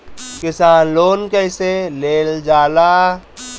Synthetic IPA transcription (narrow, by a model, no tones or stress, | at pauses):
kɪsaːnloːnkəɪseleːld͡ʒaːlaː